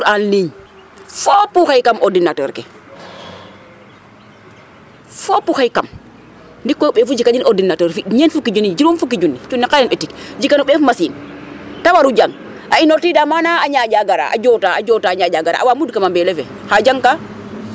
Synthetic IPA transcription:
uɾanliɲ | fopuxajkamodinatə̰ɾkɛ | fopuxajkam | ndikːɔɓeːfud͡ʒikaɲinʔodinːatəɾfiɲenfukid͡ʒunːid͡ʒiɾunfukːid͡ʒunːit͡ʃunːikajinetikd͡ʒikanoɓefumasintawaɾud͡ʒaŋ | ainoɾtidamanaaɲad͡ʒaɡaɾa̰ʔa̰d͡ʒotaa̰d͡ʒotaɲad͡ʒaɡaɾa̰a̰wamudkamambɛlɛfɛ | had͡ʒaŋka

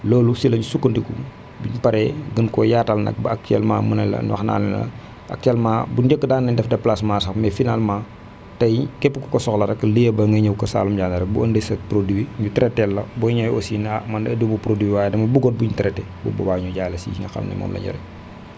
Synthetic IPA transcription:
loːlusilɐɲusukːəndikṵ | biɲpɐɾɛɡənkɔjaːtalnɐ̰k̚bɐak̚tɛlma̰ːmunɐlɐ̰ɲuwɐ̰xna̰ːlɛnɐ̰lɐ̰ | ʔɐ̰k̚tɛlmaːbud͡ʒəkːədaːnːɐɲdɛfdɐplasmaːsɐxmɛfinalmaː | tɐjkɛpːikɔkɔsɔxlɐɾɐkːlijɐbɐŋɡɐɲɐwkɐsa̰ːlumɟaːndɐɾɐk̚buɐndesɐpɾodiwiɲutɛɾɛtɛlːɐbɔɲajosiːnɐmɐndɐdibupɾodiwiwaːjɛdɐmɐbuɡɔt̚buɲtɛɾɛtɛ | bṵbɐ̰baːɲuɟaːjlɐsḭːiŋɡɐ̰xɐ̰lnɐ̰mɔ̰ːmlɐ̰ɲɔ̰ɾɛ

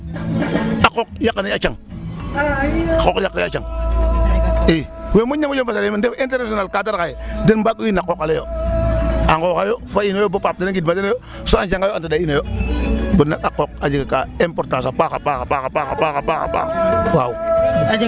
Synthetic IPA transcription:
akok̚jakːaniat͡ʃaŋ | akokjakːaa̰t͡ʃaŋ | iwemuɲamad͡ʒofasalemndeinteɾnasonalkataɾkajedenbakuwinakːokalejo̰ | aŋkokajofainojobopap̚denaŋɡidmadenojo | soant͡ʃaŋɡajoantadainojobunakakːok̚ad͡ʒikakaempoɾtas̬apaxapaxapaxapaxa̰paxapaxa̰pa̰wau

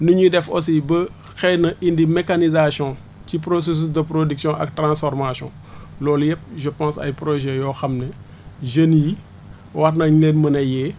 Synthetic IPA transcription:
nuɲudɛfosibəxɛnɐʔindimɛkanizasjɔ̃ | cipɾos̬es̬ys̬dəpɾodiksjɔ̃ʔɐ̰k̚trãːsfɔrmasjɔ̰̃ | lɔːljɛp̚ʒəpãːsɐ̰jpɾɔʒɛjɔːxɐmnɛ | ʒənii | wɐrnɐɲleːnmɐnɐjɛː

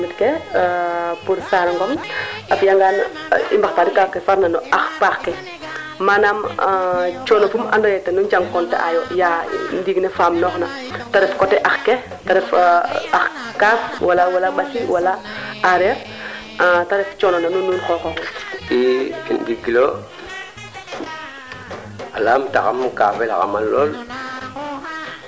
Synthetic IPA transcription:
mitke | puɾsaɾaŋɡɔmafjaŋɡan | ḭmbaxtaːdikakːefaɾnanɔaxpaxke | maːnam | t͡ʃɔːnofuma̰ndɔjɛtenuɲd͡ʒaŋkɔntḛʔa̰joja̰ndiɡnefaːmnɔːxna | taɾɛfkɔtɛʔaxke | taɾɛfaxkaːfwalawalabasiwala | aɾeɾ | taɾɛft͡ʃɔnonanununxɔxoɔindiɡilo | alaːmtaxa̰mka̰ːfela̰xa̰malol

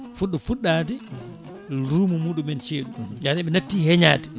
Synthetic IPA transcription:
fuɗːɔfuɗːaːdi | ɾuːmumuːɗumɛnt͡ʃeːɗuɡanɛɓɛnatːiːhɛɲaːdi

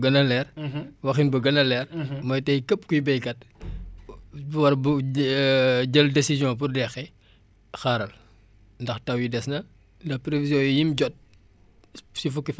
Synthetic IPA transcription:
ɡɐnɐlɛːrwɐxinbɐɡɐnɐlɛːrmɔːjtɐjkɐp̚kujbɛjkɐt̚ | bwɐrb | ɟɐldesizjɔ̃p̬urdɛxɛ | xaːɾɐl | ndɐxtɐwjidɛsnɐ | ndɐpɾevizjɔ̃jijimɟɔt̚ | sifukːif

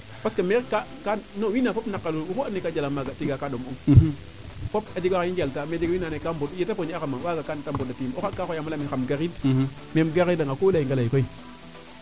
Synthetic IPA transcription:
paskameɾkakanowinafopnakːaluwukoanːekad͡ʒalamaɡatiɡakaɗomuŋ | pop̚ad͡ʒiɡaajind͡ʒaltamed͡ʒiɡinanekambodjetapoɲaxamawaɡakantambodatimokakaojamalaminxamɡaɾid | memɡaɣidaŋɡakolajiŋɡalaikoi

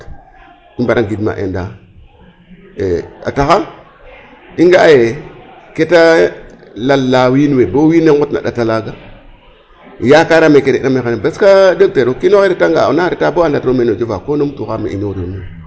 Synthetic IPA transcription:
imbaɾaɡidma̰ʔḛnda | ḛa̰taxa | iŋɡajeketa | lalːawinwebowineŋɡutna̰ɗa̰talaɡa | jakaɾamekeɾenameanebaskadək̚teɾokinoxeɾetaŋɡa̰naɾitaboandatɾomenod͡ʒevakonomtuxamḛḭnoɾiomo

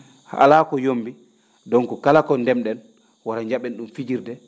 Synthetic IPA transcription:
ha̰laːkɔjombi | dɔŋkɔkalakɔndɛmɗɛn | waɾaɲd͡ʒaɓɛnɗumfid͡ʒiɾdɛ

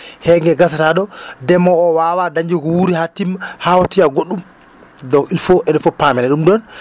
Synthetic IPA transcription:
hɛŋɡɛɡasataɗɔdɛmɔːwawadaɲd͡ʒiɡɔwuɾihatːimhawɔtiaɡoɗːum | dɔilfɔʔɛɗɛfɔpamɛnɛɗumdɔn

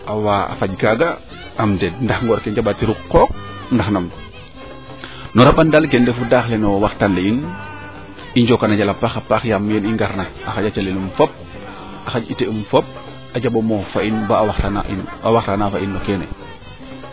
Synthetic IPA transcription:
awaa̰faɟɡaɡa | amdɛd̚ndaxŋɡɔɾkɛɲd͡ʒabatiɾukːɔk̚ndaxnam | nɔɾaɓandalɡɛndɛfudaːxlɛnɔwaxtanlein | iɲd͡ʒɔkanad͡ʒalapaxapaxjamjɛniŋɡaɾnaaxaɟat͡ʃalilumfɔp̚ | axaɟiteumfɔp̚ | ad͡ʒaɓomɔfainbaawaxtana̰ʔinawaxtanafainːɔkɛːnɛ̰

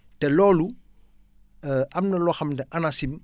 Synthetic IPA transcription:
tɛlɔːlu | ʔɐmnɐlɔxɐmdɛʔɐnasin

